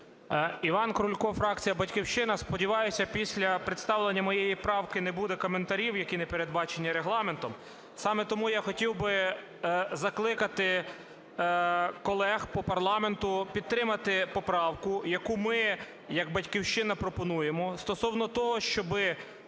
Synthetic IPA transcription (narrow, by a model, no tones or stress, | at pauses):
iʋɑnkɾʊlʲkɔfɾɑk̚t͡sʲijɐbɐtʲkʲiwʃt͡ʃɪnɐspɔdʲiʋɑjʊsʲɐpʲisʲlʲɐpɾɪt̪st̪ɑwlˠenʲːɐmɔjejipɾɑwkɪnebud̪ɛkɔment̪ɐɾʲiwjɐkʲinepe̞ɾed̪̚bɑt͡ʃenʲːiɾeɦlˠɑme̞nt̪ɔm | sɑmet̪ɔmujaxɔtʲiwbɪ | zɐklˠɪkɐt̪ɪ | kɔlˠɛxpɔpɐrlˠɑme̞nt̪ʊpʲid̪̚t̪ɾɪmɐt̪ɪpɔpɾɑwkʊjɐkumɪ | jɐɡ̚bɐtʲkʲiwʃt͡ʃɪnɐpɾɔpɔnujemɔst̪ɔsɔwnɔt̪ɔɦɔʃt͡ʃɔbɪ